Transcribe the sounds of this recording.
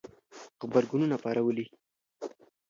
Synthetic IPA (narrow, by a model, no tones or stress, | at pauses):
ɣbaɾɡununapɑɾawəli